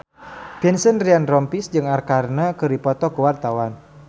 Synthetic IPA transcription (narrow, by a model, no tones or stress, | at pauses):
pinsənrianrɔmpisd͡ʒɨŋarkarnakɨɾipɔt̪ɔkəwart̪awan